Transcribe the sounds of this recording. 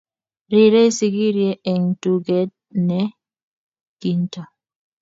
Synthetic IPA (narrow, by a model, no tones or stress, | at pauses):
ɾiɾɛjsiɡiɾiɛɛŋtuɡɛt̚nɛ | ɡ̥inta